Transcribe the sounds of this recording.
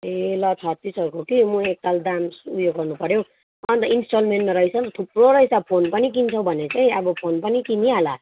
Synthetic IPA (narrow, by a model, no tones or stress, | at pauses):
elʌt͡sʰʌt̪isʌɾukokimuek̚t̪ald̪amsujoɡːʌrnupʌɾjow | ʌnt̪ʌinsʈolmenʈmaɾʌit͡sʰʌt̪ʰuproɾʌɦit͡sʰʌpʰonpʌnik̬int͡sʰʌw̃bʱʌnet͡saĩʌbʌpʰonpʌnikiniɦala